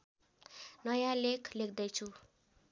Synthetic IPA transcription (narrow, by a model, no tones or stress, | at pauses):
nʌjãlekʰlek̚d̪ʌjt͡sʰu